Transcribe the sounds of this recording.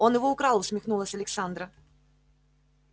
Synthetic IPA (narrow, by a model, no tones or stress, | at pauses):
onɨvoukɾɑlˠusmʲixnulˠəsʲɐlʲeksand̪ɾə